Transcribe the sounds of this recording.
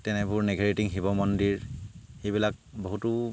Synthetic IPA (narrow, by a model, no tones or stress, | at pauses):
tɛnɛbuɹnɛɡaɹetiŋɦibɔmɔndiɹxejbilak̚boɦutʊ